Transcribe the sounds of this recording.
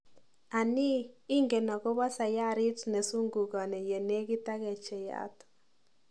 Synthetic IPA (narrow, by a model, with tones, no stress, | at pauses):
a˨nɪː˦ŋɡe˨na˨kɔ˦ba˦sa˨ja˦ɾɪ˦tne˨su˦ŋɡu˨ka˨nɛ˨je˨ne˦ki˦ta˦kɛ˨t͡ʃɛ˨ja̰˦t